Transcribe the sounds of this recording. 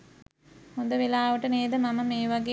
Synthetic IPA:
hond̪əʋelaːʋəʈəneːd̪əmaməmeːʋaɡe

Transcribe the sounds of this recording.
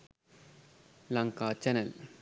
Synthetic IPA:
lɐŋkaːt͡ʃɐnɐl

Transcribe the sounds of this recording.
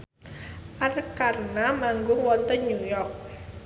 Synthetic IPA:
ʔarkarnamaŋɡʊŋwɔnt̪ənɲujɔrk̚

